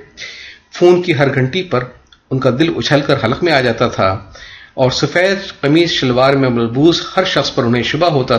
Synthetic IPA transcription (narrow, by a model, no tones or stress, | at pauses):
fuːnkiɦɐɾɡʱɐ̃ɳʈipɐɾ | ʊnkad̪ɪlʊ̰t͡ʃʰəlkɐɾɦɐlqmẽaːd͡ʒaːt̪at̪ʰa̰ | ɔːɾsʊfɛːt̪qɐmiːzʃɐlwaːɾmẽmɐlbuːzhɐɾʃɐxspɐɾʊnɦẽʃʊbaɦoːt̪a